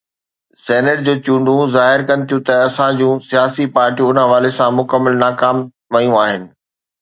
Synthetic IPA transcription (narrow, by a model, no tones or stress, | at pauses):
sɛːnəʈ̚d͡ʑoːt͡ɕũːɳɖʱũzaːɦɪɾkɐnɪ̆t̪ʰijũt̪ɐɐsãd͡ʑũːsijaːsipaːɾʈijũʊnəɦɐʋaːlesãmʊkəmːəlnaːkaːm | ʋɐjũaːɦɪnɪ̆